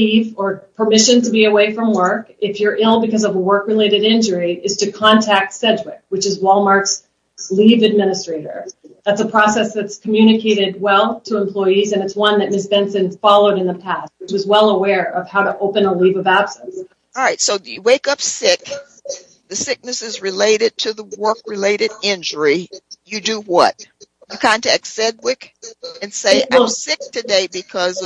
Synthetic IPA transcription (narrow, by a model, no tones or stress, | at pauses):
ivə˞pʰə˞mɪʃɨ̃ntʰɨbiɨweɪfɹʌ̃mwɜ˞kɪfjə˞ʔɪlˠbɨkʰʌzʌvəwɜ˞kɹɨleɪɾɨɾɪ̃nd͡ʒə˞iʔɨz̥tʰɨkʰɑ̃ntʰæk̚tsɛd͡ʒwɪk̚wɨt͡ʃɨzwɔlˠmɑɹks | livɨd̚mɪ̃ñɨstɹ̥eɪɾə̰˞ðætsəpʰɹ̥ɔsɛsðɨtskʰəmjʉñɨkʰeɪɾɨd̚wɛlˠtʰəə̃mpʰl̥ɔɪizɨ̃nɨtswʌ̃nðɨt̚mɪsb̥ɛ̃nsɨ̃nfɑlˠoʊɾɨ̃nðəpʰæst̚iwʌzwɛlˠəwɛɹʌv̥haʊɾəʔoʊpɨ̃nəlivʌvæb̥sə̃n̩sˠ | ɹaɪtsoʊjɨweɪkʌpsɪk | ðɨsɪk̚nɨsɨzɹɨleɪɾɨd̚tʰɨðəwɜ˞kɹɨleɪɾɨɾɪ̃nd͡ʒə˞ijɨdɨwʌt̚jɨkʰãɪ̃ntʰɨɨksɛd̚wɪkɨ̃nseɪʔãmsɪk̚tʰɨdeɪbɨkʰʌz